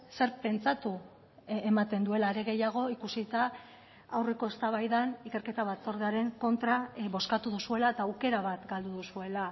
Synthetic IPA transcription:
se̞ɾpe̞nt͡sat̪u | emat̪e̞nd̪ue̞laeɾe̞ɣe̞jaɣ̞o̞ikusit̪a | awre̞ko̞e̞st̪aβajðanikeɾke̞t̪aβat͡so̞ɾðeaɾe̞ŋko̞nt̪ɾaβo̞skat̪uðusue̞laet̪aːwke̞ɾaβat̪ɡald̪uðusue̞la

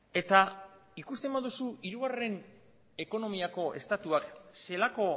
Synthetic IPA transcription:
e̞t̪aikust̪e̞mbaðusuiɾuɣare̞n | e̞ko̞no̞miako̞e̞st̪at̪uakse̞lako̞

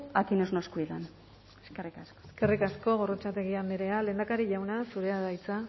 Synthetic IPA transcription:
akinoznoskuit̪an | eskerikasko̥eske̞rikasko̞ɣo̞rot͡ʃat̪e̞ɣ̞iambeɾe̞ale̞ːnd̪akaɾiʝawnasuɾe̞aðajt͡sa

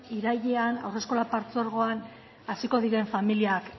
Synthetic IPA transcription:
iɾaʎeana̰wre̞sko̞lapaɾt͡so̞ɾɣ̞o̞an | asiko̞ð̞iɾe̞ɱfamiliak

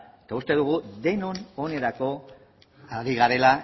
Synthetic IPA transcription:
et̪aust̪e̞ð̞uɣ̞uðe̞no̞no̞ne̞ɾako̞ | aɾiɣaɾe̞la

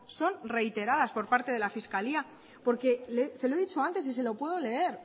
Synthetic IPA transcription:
so̞nre̞jt̪e̞ɾaðaspo̞ɾpaɾt̪e̞ðe̞lafiskalia | po̞ɾke̞lese̞loeðit͡ʃo̞ant̪e̞s̬is̬e̞lo̞pwe̞ð̞o̞le̞e̞ɾ

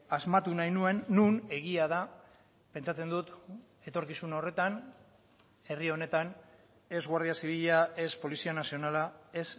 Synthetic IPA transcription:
azmat̪unajnue̞nːune̞ɣiað̞a | pe̞nt͡ʃat͡se̞nd̪ut̪ | e̞t̪o̞ɾkisuno̞re̞t̪an | e̞rio̞ne̞t̪an | e̞zɣwaɾð̞iasiβ̞iʎae̞spo̞lisianasio̞nalae̞s

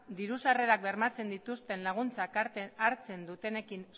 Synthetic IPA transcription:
d̪iɾusare̞ɾak̚be̞ɾmat͡se̞nd̪it̪ust̪e̞nlaɣ̞unt͡sakaɾt͡se̞nd̪ut̪e̞ne̞kin

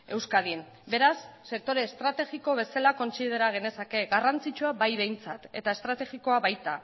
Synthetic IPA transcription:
e̞wskaðiem | be̞ɾasːe̞k̚t̪o̞ɾe̞ːst̪ɾat̪e̞ɣiko̞β̞e̞salako̞nsið̞e̞ɾaɣ̞e̞ne̞sake̞ɣarant͡sit͡ʃuaβajβe̞jnt͡sat̪e̞̰t̪ae̞st̪ɾat̪e̞ɣiko̞aβajt̪a

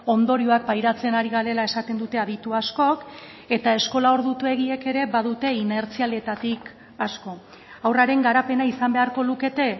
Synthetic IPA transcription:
o̞nd̪o̞ɾioak̚pajɾat͡se̞naɾiɣ̞aɾe̞lae̞sat̪e̞nd̪ut̪e̞aðit̪uasko̞k | e̞t̪ae̞sko̞lao̞ɾðut̪ue̞ɣ̞ie̞ke̞ɾe̞βaðut̪e̞ine̞ɾt͡siale̞t̪at̪ik | asko̞ | awraɾe̞ŋɡaɾape̞naisambe̞aɾko̞luke̞t̪e̞

